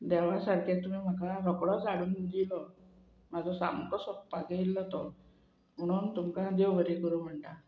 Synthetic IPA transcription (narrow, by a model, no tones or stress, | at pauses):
d̪ɛʋ̤asaɾkat̪umiːm̤akaɾɔkɽɔd͡zaɽuːnd̪ilɔ | mad͡zʱɔsa̰mkɔsɔppːaɡeilːɔt̪ɔ | m̤əɽ̃uːnt̪umkad̪ewʋəɾikəɾuːm̤əɳʈ̪a